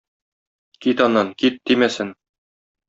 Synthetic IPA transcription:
kit̪ɒnːɑnkit̪̚d̪imæsɘn

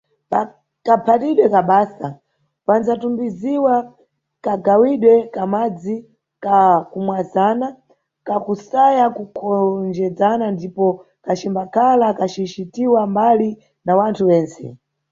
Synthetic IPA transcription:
pa | kapʰatiɗwɛkaɓaːsa | pand͡zatumbiziwa | kaɡawiɗwɛkamad͡zi | kakumwazana | kakusajakukʰɔnd͡ʒɛd͡zanandipɔ | kat͡ʃimbakʰalakat͡ʃit͡ʃitiwambali | nawantʰuwɛːnt͡sɛ̰

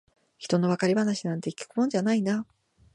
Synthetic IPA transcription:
çi̥t̪o̞no̞βakaɾʲibanaɕinãnt̪e̞ikʲi̥kɯ̟mõ̞ɲ̟d͡ʑanaina

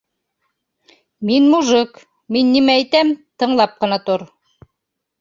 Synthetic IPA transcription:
minmuʒɤk | minːimææjt̪æmt̪ɤ̆ɴlˠɑp̚qɤ̆nɑt̪oɾ

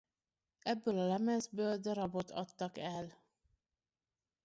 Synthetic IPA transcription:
ɛbːøːlɒlɛmɛzbøːld̪ɛɾɒbo̞t̪ʰɒ̰t̪ːɒkɛl

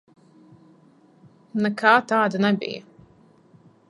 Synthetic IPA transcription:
nɛkaːt̪aːd̪anɛbḭjə

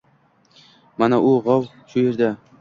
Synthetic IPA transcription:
manaʔʊʁɑw | ʃʊje̞ɾd̪a

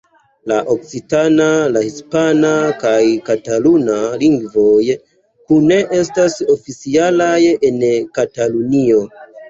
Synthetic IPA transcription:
laʔo̞k̚t͡sitanalahispanakajkatalunaliŋɡvo̞j | kune̞ʔe̞staso̞fit͡sialaje̞nkatalunio̞

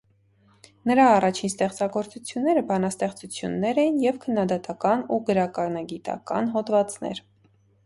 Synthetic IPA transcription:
nəɾɑːrɑt͡ʃʰinst̪ɛχt͡sɑɡɔɾt͡sut͡sʰjunːɛɾəbɑnɑst̪ɛχt͡sut͡sʰjunːɛɾɛjinjɛvkʰənːɑd̪ɑt̪ɑkɑnuɡəɾɑkɑnɑɡit̪ɑ̰kɑ̰nɦɔt̪vɑt͡snɛ̰ɾ

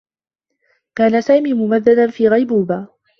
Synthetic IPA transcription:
kaːnasaːmiːmʊmaðːad̪anfiːɣajbuːbaː

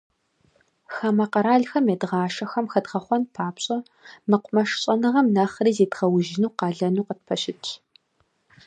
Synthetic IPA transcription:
xɐmɐqɐɾaːɮxɐmeːdʁɑːʃɐxɐmxɐdʁɐχʷɔnpʰaːpɕʼɐ | mɨqʷʊmɐʃɕʼɐnɨʁɐmnɐχriːzeːdʁɐwʒɪnuːqɑːɮɐnuːqət̚pʰɐɕɪtʰʼ

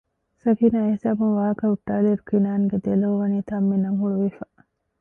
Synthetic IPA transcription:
sɐfiːnaːesaːbunʋaːkɐuʈːaːleɾukinaːnɡed̪elɐʋɐniːt̪ʰaːmːenɐmɦuɭuʋifa

